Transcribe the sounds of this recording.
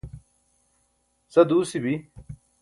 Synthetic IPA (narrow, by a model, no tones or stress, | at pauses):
sɐd̪uːsibi